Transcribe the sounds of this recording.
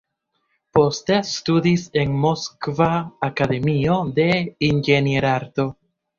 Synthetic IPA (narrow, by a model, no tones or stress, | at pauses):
po̞ste̞studise̞nmo̞skvaːkad̪e̞mio̞d̪e̞inɡenieɾaɾdo̞